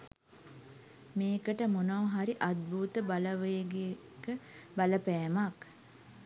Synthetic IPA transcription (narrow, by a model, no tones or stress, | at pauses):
meːkəʈəmonoːɦaɾiʔat̪̚bʱuːt̪əbaləʋəjɡe | kəbaləpæːmak